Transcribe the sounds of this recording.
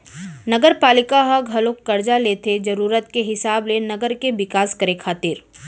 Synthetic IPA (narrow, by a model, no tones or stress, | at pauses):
nɐɡəɾpaːlɪkaɦɐɡʱɐlõkːɐɾd͡ʒalet̪ʰed͡ʒɐɾuːɾət̪keɦɪsaːblenɐɡəɾkeʋɪkaːskɐɾekʰaːt̪ɪɾ